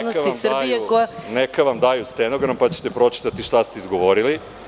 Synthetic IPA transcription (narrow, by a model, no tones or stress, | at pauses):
nosimsr̩abijekojanekaʋamd̪ajust̪eno̞ɡɾampat͡ɕet̪e̞pɾo̞t͡ʃi̥t̪at̪iʃt̪ast̪eizɡo̞ʋo̞ɾili